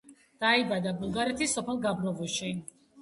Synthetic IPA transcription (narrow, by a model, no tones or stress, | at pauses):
d̪̥aibad̪abulˠɡaɾɛt̪ʰisːɔpʰɛlˠɡabɾɔvɔʃi